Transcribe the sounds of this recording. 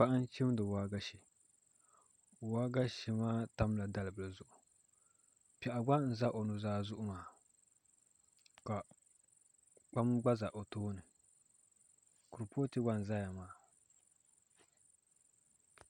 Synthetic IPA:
k͡pa˦ʔn̩˦t͡ʃi˦m˦dɨ˨waː˦ɡa˦ʃi˨ | waː˦ɡa˦ʃi˦maː˦ta˦mla˨da˦lɨ˨bɨ˨lɨ˨zʊ˨ʔʊ˨ | pɛ˨ʔa˨ɡ͡ba˦n̩˨za˦ʔo˨nu˨zaː˦zʊ˦ʔʊ˦maː˨˦ | ka˨ | k͡pa˦mɡ͡ba˦za˨ʔo˨toː˦nɨ˨ | ku˨ɾpoː˦tɨ˦ɡ͡ba˦n̩˨za˦ja˨maː˦

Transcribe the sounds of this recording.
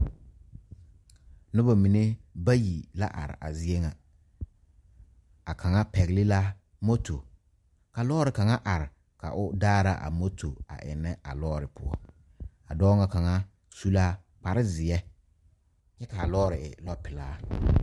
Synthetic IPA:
nʊ˦ba˨mi˨ne˦ba˦ji˨la˦ʔa̰˨ɾɪ̰˨ʔa̰˨zɪ˦e˦ŋa˨ | a˨kʰa˨ŋa˦pɛ˨ɣlɪ˦la˦ | mo˦to˨ | ka˨lɔː˦ɾɪ˨ka˨ŋa˦ʔa˨ɾɪ˨ | ka˨ʔʊ˦daː˦ɾa̰˦ʔa̰˨mo˦tʰo˨a̰˨ʔɪ̰˨nːɛ˦ʔa̰˨lɔː˦ɾɪ˨pʰʊ̰˦ɔ̰˦ | a̰˨dɔː˦ŋa˨ka˨ŋa˦ | su˦la˦ | k͡pa˨ɾɪ˦zɪ˨ɛ˦ | ɲɛ˦ka˨a˨lɔː˦ɾɪ˨ɪ˨lɔ˦pɪ˨laː˦

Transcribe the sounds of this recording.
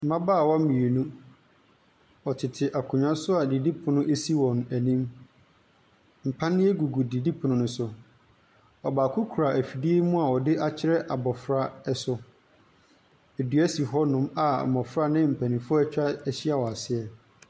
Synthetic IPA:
mã˦baː˦˨wɔ˦mĩ˨e˨nũ˦ | ɔ˨tʰɪ˨tʰɪ˨ʔa˨kʰʊ̃˨ɲã˦sʊ˦a˨di˨di˦pʰʊ̃˨nʊ̃˦e˦si˦wɔ̃˨næ˨nĩ˦m | m̩˨pʰã˦nɪ̃˦e˦ɡu˨ɡu˨di˨di˦pʰʊ̃˨nʊ̃˦nʊ̃˦sʊ˨ | ɔ˨baː˨kʰʊ˦kʰu˨ɾa˨æ˨fi˨di˦e˦mũ˦a˨ɔ˨dɪ˦ʔa˦t͡ɕʰɪ˦ɾɛ˦ʔa˨bɔ˨fɾa˦ɛ˦sʊ˦ | e˨du˨æ˦si˨ɦɔ˦nʊ̃˦ma̰˨mɔ˨fɾa˦nɪ̃˦m̩˨pʰæ˨nĩ˨fʊ˦æ˦t͡ɕᶣa˦ɛ˦ɕi˦a˨wɔ˨a˨sɪ˦ɛ˨

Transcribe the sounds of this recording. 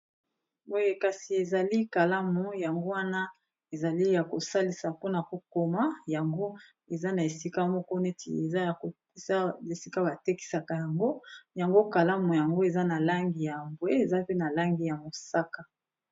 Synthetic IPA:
o˦je˦ka˨si˨e˨za˨li˦ka˨la˦mu˨ja˨ŋɡo˦wa˦na˦ | e˨za˨li˦ja˨ko˨sa˦li˨sa˨po˦na˨ko˨ko˨ma˦ja˨ŋɡo˦ | e˨za˦na˨e˨si˦ka˦mɔ˦kɔ˦ne˦tḭ˨e˨za˦˨ | e˨sa˦e˨si˦ka˦ba˨te˦ki̥˨sa˨ka˨ja˨ŋɡo˦ja˨ŋɡo˦ka˨la˦mu˨ja˨ŋɡo˦e˨za˦na˨la˦ŋɡi˨ja˨mbwe˦e˨za˦pe˦na˨la˦ŋɡi˨ja˨mo˨sa˦ka˨

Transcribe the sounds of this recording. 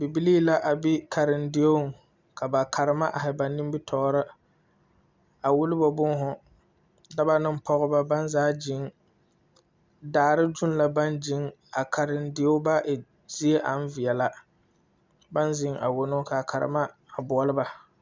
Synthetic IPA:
bi˨bi˦liː˦la˦ʔa˨bi˦kʰa˨ɾɪ˨ndɪ˦o˦˨ | kʰa˨ba˨kʰa˨ɾɨ˨˦ma˦ʔa˨ɦɪ˨ba˨ni˦m˦bi˦tʰɔː˦ɾɨ˦ | a˨wu˦lɪ˦bɔ˨bʊ˦ŋ˦ɦʊ˨ | da˦ba˦nɪ˦m˦pɔ˦ɣʊ˦ba˦ba˦nzaː˦d͡ʒɪ˨˦ŋ | daː˨ɾɪ˦d͡ʒʊ˦n˦la˨ba˦nd͡ʒɪ˦ŋ | a˨kʰa˨ɾɪ˨ndɪ˦o˦ba˦ʔɪ˨ | z̥i˦e˦ʔa˨n˦vɪ˨ɛ˨la˦ | ba˦nzɪ˦ŋa̰˨wʊ˨nʊ˦ka˨kʰa˨ɾɪ̰˨ma˦ | a˨bʊ˨ɔ˦lɨ˦ba˦

